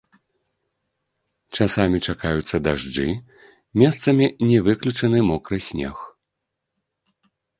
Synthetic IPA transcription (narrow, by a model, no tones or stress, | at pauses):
t͡ʂasamʲit͡ʂakajut̪sːɐd̪aʐd͡ʐɨ | mʲɛst̪sɐmʲinʲɛvɨklʲut͡ʂɐnɨmɔkɾɨsʲnʲɛ̰x